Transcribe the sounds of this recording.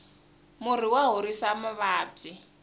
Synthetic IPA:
mʊriwaɦuɾisamaβaːb͡ʐi

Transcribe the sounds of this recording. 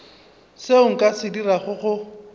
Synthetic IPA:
seʊŋ̩kʼasɪdiraχʊχʊ

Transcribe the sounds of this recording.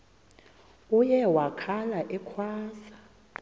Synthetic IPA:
ujɛwakʰalaʔɛkʰwaːsa

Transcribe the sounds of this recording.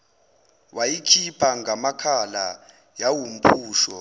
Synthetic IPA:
wajikʰipʰaŋɡʱamakʰala | jawum̩pʰuːʃɔ

